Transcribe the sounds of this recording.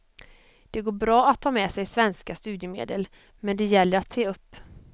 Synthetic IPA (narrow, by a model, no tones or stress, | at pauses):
d̪̥ɛɡoːbɾɑːat̪ʰːɑːmɛsɛjsvɛnskast̪ʉ̟ːd̪jəmḛːd̪əl | mɛnd̪ɛjɛlːəɾat̪seːɵpː